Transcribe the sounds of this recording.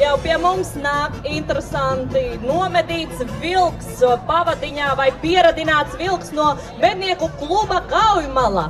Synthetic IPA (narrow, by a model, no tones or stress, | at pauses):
jawpiɛmumsnaːkint̪ɾesant̪inuɔmɛd̪iːt̪svilˠkspavad̪iɲaːvajpiɛɾad̪inaːt̪svilˠksnuɔ | med̪̚niɛkuklˠubaɡawjumalˠa̰ː